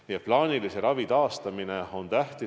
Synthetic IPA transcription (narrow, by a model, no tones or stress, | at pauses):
jɑplɑːnʲilise̞ɾɑvit̪ɑːst̪ɑmineo̞nt̪æht̪i